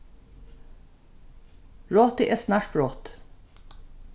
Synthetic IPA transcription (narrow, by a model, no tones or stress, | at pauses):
ɹoːt̪ɪʔeːsnɑːʃʈɹoːt̪